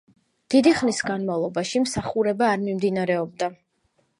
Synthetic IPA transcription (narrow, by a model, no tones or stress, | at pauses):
d̪̥id̪iχnisɡanmavlˠɔbaʃimsaχuɾɛbaːɾmimd̪inaɾɛɔb̚d̪a